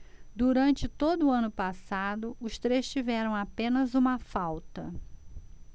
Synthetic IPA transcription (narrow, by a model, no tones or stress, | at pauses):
d̪uɾɐ̃nt͡ʃɪt̪od̪ʊːɐ̃nʊpasad̪ʊʊst̪ɾest͡ʃivɛɾɐ̃w̃apẽnɐzũmɐfawt̪ɐ